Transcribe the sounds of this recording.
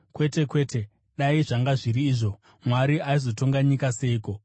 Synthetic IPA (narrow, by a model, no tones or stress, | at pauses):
kwe̞te̞kwe̞ːte̞ | ɗaiʐaŋɡaʐiɾiːʐo̞ | mwaɾiaizo̞to̞ŋɡaɲikase̞iːko̞